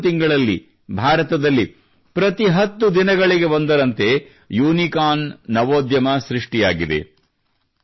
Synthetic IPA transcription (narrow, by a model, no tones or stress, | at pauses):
t̪iŋɡɐɭɐlːḭ | bʱaːɾɐt̪ɐd̪ɐlːi | pɾɐt̪iɦɐt̪ːud̪inɐɡɐɭiɡe̞bond̪ɐɾɐnt̪e̞ | juːnikaːnːɐʋoːd̪jɐmɐsɾiʂʈijaːɡid̪e̞̰